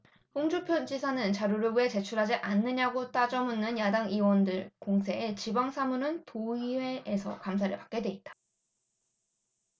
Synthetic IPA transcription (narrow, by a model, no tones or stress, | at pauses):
ɸuŋd͡ʑupʰjʌnd͡ʑisʰanɯnt͡ɕaɾuɾɯbue̞t͡ɕe̞t͡ɕʰuɾɦad͡ʑiʔanːɯɲaɡot͈ad͡ʑʌmunːɯnjadaŋiwʌndɯɭkoŋsʰe̞ːt͡ɕibaŋsʰamunɯntoiwe̞ːsʰʌ̰kamsʰaɾɯɭpḁk͈e̞dweit̚t͈ḁ